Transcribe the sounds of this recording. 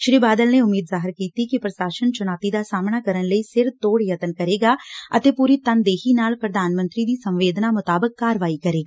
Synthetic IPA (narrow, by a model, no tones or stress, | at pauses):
ʃɾiːbaːd̪əlneːʊmiːd̪zaːɦɪɾkiːt̪iːkipɾəsaːsənt͡ʃʊnaːt̪iːd̪aːsaːmnaːkəɾənləiːsɪɾt̪oːɽjət̪ənkəɾeːɡaːət̪eːpuːɾiːt̪ənd̪eːɦiːnaːlpɾəd̪aːnmənt̪ɾiːd̪iːsəmʋeːd̪naːmʊt̪aːbəkːaːɾʋaːiːkəɾeːɡaː